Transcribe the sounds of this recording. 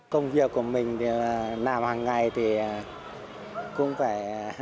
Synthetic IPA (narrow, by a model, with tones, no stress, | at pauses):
kə˧wŋ͡mvi˨˩əkːu˧˩əmï˨˩ŋ̟t̪ʰi˨˩˨laː˨˩mhaː˨˩ŋːa˨˩jt̪ʰi˨˩ | kʊ̰˧˥ŋ͡mfaː˧˩j